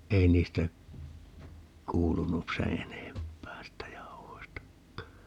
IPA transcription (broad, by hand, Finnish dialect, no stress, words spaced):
ei niːstæ kuːlunu seː enempˑæː siːtːæ jɑu̞hoistɑkːɑː